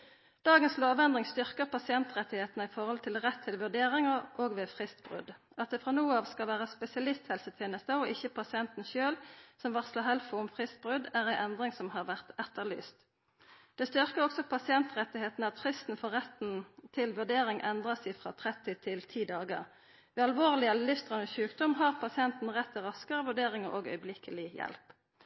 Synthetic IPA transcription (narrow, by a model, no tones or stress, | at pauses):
d̪̥ɑːɡənsloːʋɛnd̪ʁɪŋst̪ʏʁkəʁpɑsɪɛnt̪ʁɛt̪ːɪheːt̪nəɪfɔʁhɔlt̪ʰɪlʁɛt̪ʰːɪlʋʉd̪eːʁɪŋəʔoːɡʋefʁɪst̪b̥ʁʉ̰d̪ | ɑt̪̚d̪ɛfʁɑnuːəɑːʋskɑlʋæːʁəspɛsɪɑlɪst̪hɛlsət̪ʰjeːnəst̪əɔʔɪçəpʰɑsɪɛnt̪n̩ʃøːlsɔmʋɑʁslɑhɛlfʊʊmfʁɪst̪̚bʁʉd̪æːʁæɪʔɛnd̪ʁɪŋsɔmɦɑʁʋæʁt̪ɛt̪ːəʁly̰ːst̪ | d̪̥ɛst̪ʏʁkəʁɔksɔpʰɑsɪɛnt̪ʁɛt̪ːɪheːt̪n̩ɑt̪fʁɪst̪n̩fɔʁɛt̪n̩t̪ʰɪlʋʉʁd̪eːʁɪŋʔɛnd̪ʁɑsæɪfʁɑ̰ːt̪ʰʁɛt̪ːɪt̪ʰɪlt̪ʰiːd̪ɑːɡəʁ | ʋɛːɑlʋoːʁlɪɑllɪfst̪ʁɑnəʃʉːkd̪ɔmɦɑʁpʰɑsɪɛnt̪n̩ʁɛt̪ʰːɪʁɑskəʁəʋʉd̪eːʁɪŋəʁʔo̰ːɡœ̰ʏblɪkʰəlɪjɛ̰lp